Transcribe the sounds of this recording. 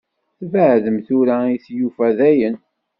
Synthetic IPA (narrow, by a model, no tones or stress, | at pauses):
θvəʕðəmθʊɾæiθjufæðæjən